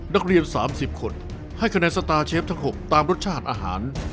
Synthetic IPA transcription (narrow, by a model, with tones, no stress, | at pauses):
na˦˥k̚ɾi˧ənsaː˩˦msi˨˩p̚kʰo˧n | ha˥˩jkʰa˧nɛː˧nsa˧t̪aː˧t͡ɕʰeː˦˥p̚t̪ʰa˦˥ŋɦo˨˩p̚t̪aː˧mɾo˦˥t̪̚t͡ɕʰaː˥˩t̪̚ʔaː˧ɦa̰ː˩˦n